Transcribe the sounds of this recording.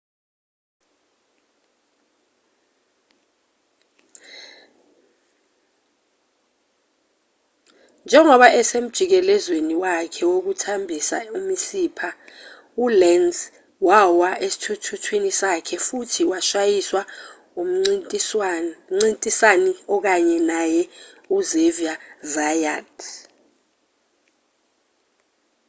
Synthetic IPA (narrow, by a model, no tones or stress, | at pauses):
nd͡ʒʱɛŋɔɓaʔɛsem̩d̥ʒ̥ʱik̬ɛlɛzweniwakʰɛwok̬utʰambʱisa̰umisiːpʰa | ulɛnz | wawaʔesi̥tʰutʰutʰwinisakʰɛfutʰiwaʃajiswa | um̩ | ŋ͡ǀintʼisaniɔk̬aɲɛnajɛuzeviazajad